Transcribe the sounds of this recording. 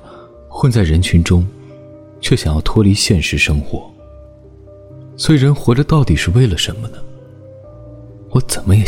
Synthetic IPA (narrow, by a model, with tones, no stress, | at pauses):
xwə˥˧nt͡sa˥˩ɪɻə˧˥nt͡ɕʰy˧˥nʈ͡ʂʊ˥ŋ | t͡ɕʰɥɛ˥˩ɕjɑ˨˩ŋjɑ˥˩ʊt̪ʰwɔ˥li˧˥ɕjɛ˥˧nʂɻ̩˥˩ʂɤ˥ŋxwɔ˧˥˦ | swɔ˧˥i˨˩ɻə˧˥nxwɔ˧˥ʈ͡ʂə˧t̪ɑ˥˩ʊt̪i˨˩ʂɻ̩˥˧we˥˩ɪlə˩ʂə˧˥nmə˧nə˨ | wɔ˧˥t͡sə˨˩nmə˦jɛ˨˩